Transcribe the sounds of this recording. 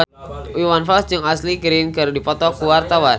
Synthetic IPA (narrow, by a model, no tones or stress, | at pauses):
iwanfɔsd͡ʒɨŋaslikɾinkɨrdipɔt̪ɔkuwart̪awan